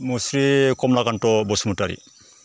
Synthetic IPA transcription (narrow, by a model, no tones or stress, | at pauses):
musɾikɔmlaɡantɔbɔsmutaɾḭ